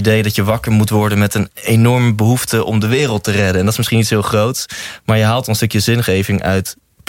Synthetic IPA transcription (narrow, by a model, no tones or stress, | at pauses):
idejdɑtjəʋɑkəɹmutʋɔɹdənmɛtənenɔɹməbəɦuftəʔɔ̰mdəʋɪːrəlˠtərɛdənɛndɑtɪsmɪsχinitsɦɪːlˠχrowtsmaːɹjəɦaːlˠtɔnənstɵkjəzɪnχejvɪŋʔœɥt